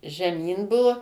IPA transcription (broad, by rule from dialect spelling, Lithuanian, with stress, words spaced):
ʒʲɛˈmʲiːn ˈbʊʋoː